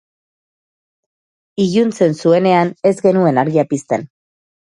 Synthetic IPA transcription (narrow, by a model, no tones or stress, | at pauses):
iʝunt͡se̞nsue̞ne̞ane̞zɡe̞nue̞naɾɣiapist̪e̞n